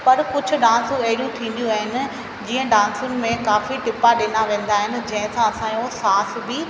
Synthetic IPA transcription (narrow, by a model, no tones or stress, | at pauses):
pɐɾkʊd͡ʑʱʊ̆ɗãːnsũɐɦɪɾjũt̪ʰĩːn̆d̪ijũaːɦɪnɪ̆ | d͡ʑiːə̃ɖãːnsʊnɪ̆mẽkaːfiʈɪpaɗɪnaʋẽːn̆d̪aːɦɪnɪ̆d͡ʑɐ̃ɦɪ̃sãɐsãːjosaːsbɪ